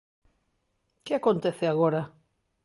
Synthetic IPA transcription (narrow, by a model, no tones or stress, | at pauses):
keakont̪eθeaɣoɾa